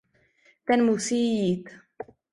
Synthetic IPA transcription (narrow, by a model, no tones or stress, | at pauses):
t̪anmusit̪